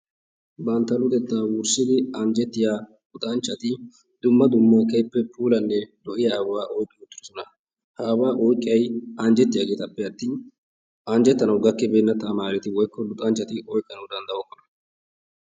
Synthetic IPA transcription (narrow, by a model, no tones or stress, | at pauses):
bɐnt̪ːɐlʊd̪ɛt̪ːaːwʊɾsɪd̪ɪɐnd͡ʒɛt̪ːɪjaː | lʊt̪ʼɐnt͡ʃːɐt̪ɪ | d̪̥ʊmːɐd̪ʊmːakɛjpːɛpuːlɐnːɛd̪ɔʔɪjaːwwaːʔɔjkʼːɪʊt̪ːɪɾsɔnɐ | haːwaːʔɔjkʼɪjɐjɐnd͡ʒɛt̪ːɪjaːɡeːt̪ɐpːɛɐt̪ːiːn | ɐnd͡ʒɛt̪ːɐnɐwɡɐkːɛbeːnːɐt̪ːɐːmaːɾɛt̪ɪwɔjkːɔlʊt̪ʼɐnt͡ʃːɐt̪ɪʔɔjkʼːɐnɐwd̪ɐnd̪ɐɔkːɔnɐ̥